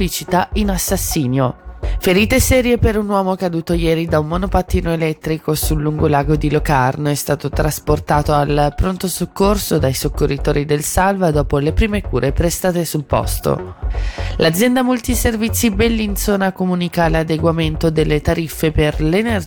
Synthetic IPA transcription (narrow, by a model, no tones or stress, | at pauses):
lit͡ʃit̪ainasːasːiːnjofeɾiːt̪esɛːɾjepeɾunwɔːmokad̪uːt̪ojɛːɾid̪aummonopat̪ːiːnoelɛt̪ːɾikosulːuŋɡolaːɡod̪ilokarnoɛst̪aːt̪ot̪ɾasport̪aːt̪oalpɾont̪osokːorsod̪ajsokːorːit̪oːɾːid̪elsalvad̪ɔːpolepɾiːmekuːɾʔepɾest̪aːt̪esulpɔ̰st̪o̰ | lad̪zjɛnd̪amult̪iservit̪sːibelːint̪soːnakomuːnikalad̪eɡwament̪od̪elːet̪aɾifːeperlener